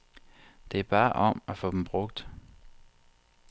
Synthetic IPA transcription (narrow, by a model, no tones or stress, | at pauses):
d̥e̝æɐb̥ɑ̈ːʔɒ̽m̰æfɔ̽ːd̥em̩b̥ʁɔ̽ɡ̥̚d̥